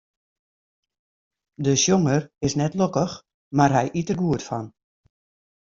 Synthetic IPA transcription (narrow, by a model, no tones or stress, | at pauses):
dəʃjoŋərɪsnɛtlokəx | marɦɛjʔitərɡuətfɔ̰n